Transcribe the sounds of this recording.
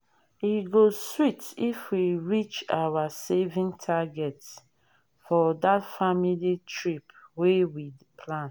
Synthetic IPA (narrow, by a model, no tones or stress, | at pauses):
iɡoswitifwiɹit͡ʃawasevĩŋtʰaɡɛt | fɔdatfamilitʰɹipwewi | pʰlãn